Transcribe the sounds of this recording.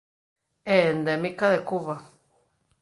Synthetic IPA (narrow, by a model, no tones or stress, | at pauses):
end̪emĩkaðekuβa